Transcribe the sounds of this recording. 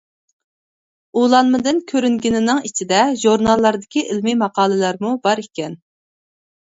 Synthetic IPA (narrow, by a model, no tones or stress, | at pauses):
ulˠɑnmɨd̪ɨnkʲʰøɾyŋɡʲinɪnɪŋit͡ʃʰid̪ɛʒuɾnɑlˠːɑɾd̪ɪkʲiʔɪlmimɑqɑːlˠɨlˠɑɾmubɑɾikʲɛn